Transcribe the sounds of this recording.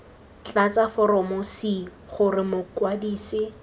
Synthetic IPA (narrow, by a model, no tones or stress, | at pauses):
t͡ɬat͡safɔɾɔmʊsi | χʊrɪmʊkwadiːsɪ